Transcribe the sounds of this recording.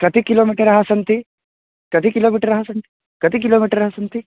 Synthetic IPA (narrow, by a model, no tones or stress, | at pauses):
kɐt̪ʰikiloːmiʈəɾɐɦasɐnt̪i | kɐt̪ikiloːmiːʈəɾːɐɦasɐnt̪i̥ | kɐt̪ik̬iloːmiːʈəɾːɐɦasɐnt̪i